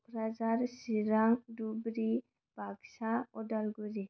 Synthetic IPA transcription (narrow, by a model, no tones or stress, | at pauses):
pɾad͡ʒaɾsiɾaŋdubɾi | b̥ʱaɡsaɔdalɡuɾi